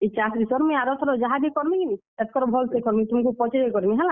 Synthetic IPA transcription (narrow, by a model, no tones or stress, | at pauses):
et͡ʃasɾisɔɾmiaɾɔt̪ʰɔɾɔd͡ʒaɦad̪ikɔɾmikini | ɛt̪kʰɔɾɔbʱɔlt̪ekɔɾmit̪umkupɔt͡ʃeɾekɔɾimiɦɛla